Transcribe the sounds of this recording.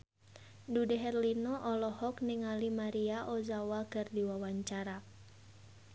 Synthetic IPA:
dudɛɦɛrlinɔʔɔlɔhɔkniŋalimaɾiaʔɔzawakɨrdiwawaɲt͡ʃaɾa

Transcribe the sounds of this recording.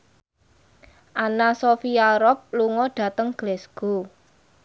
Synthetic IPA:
ʔanasofiaɾɔp̚luŋɔɖ̥ä̤t̪əŋɡ̥lɛsɡ̥o̤

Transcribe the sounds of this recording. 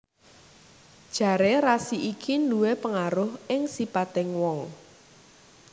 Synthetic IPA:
d̥ʒ̥ä̤ɾeɾasiʔikʰinduwepəŋaɾʊhɪŋsipat̪ɪŋwɔŋ

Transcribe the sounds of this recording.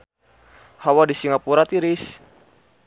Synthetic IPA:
hawadisiŋapuɾat̪iɾis

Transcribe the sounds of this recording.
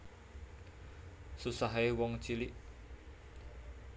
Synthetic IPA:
susaɦewɔŋt͡ʃiliʔ

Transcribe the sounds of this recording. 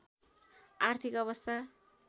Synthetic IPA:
art̪ʰikʌβʌst̪ʰa

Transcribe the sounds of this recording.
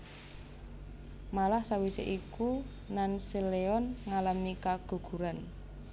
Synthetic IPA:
malahsawisḛʔiku | nansileɔnŋalamikaɡ̥ṳɡ̥ṳɾan

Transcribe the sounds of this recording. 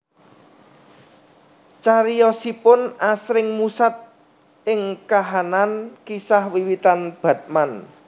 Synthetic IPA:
t͡ʃaɾijɔsipʊnasɾɪŋmusat̪̚ | ʔɪŋkaɦanankisahwiwit̪anb̥ä̤t̪̚man

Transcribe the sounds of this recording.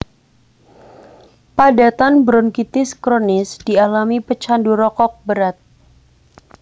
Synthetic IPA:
padat̪anbɾɔnkit̪ɪskɾonɪsd̥ialamipət͡ʃanduɾɔkɔk̚bəɾat̪̚

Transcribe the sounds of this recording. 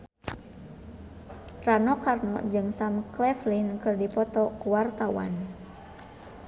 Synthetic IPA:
ranɔkarnɔ̰d͡ʒɨŋsamklɛflinkɨrdipɔt̪ɔkuwart̪awa̰n

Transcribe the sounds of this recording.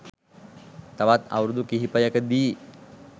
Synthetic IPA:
t̪aʋat̪a̰ʋɾud̪ukiɦipəjɐkəd̪iː

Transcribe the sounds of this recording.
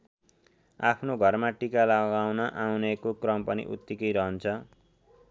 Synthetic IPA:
a̰pʰnoɡʱʌrmaʈikalaɡawnʌʔawnekokrʌmpʌnḭʔṵt̪ːikʌjɾʌɦʌnt͡sʰʌ

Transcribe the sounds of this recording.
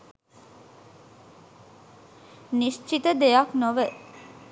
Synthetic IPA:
niʃt͡ʃit̪əd̪ejaknoʋə

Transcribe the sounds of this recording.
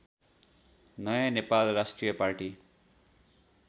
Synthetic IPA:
nʌjanepalrasʈrijʌparʈi

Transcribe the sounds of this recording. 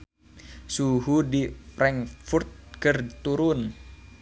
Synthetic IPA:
suɦudipɾɛŋfurt̪̚kərt̪uɾʊn

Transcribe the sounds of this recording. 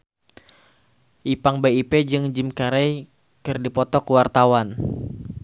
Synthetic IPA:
ʔipaŋbeiped͡ʒɨŋd͡ʒimkaɾɛj | kɨrdipɔt̪ɔkuwart̪awan

